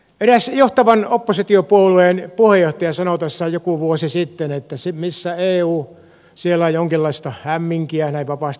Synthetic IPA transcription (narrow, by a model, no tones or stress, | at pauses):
eræsjoht̪ɑʋɑnopːosit̪iopuolueːˑnpuhejjoht̪ɑjɑsɑnot̪ɑsːɑjokuʋuosisit̪ːenet̪ːæsimisːæeːuː | sielæjjoŋkilːɑist̪ɑhæmːiŋkiænæiʋʋɑpɑˑst̪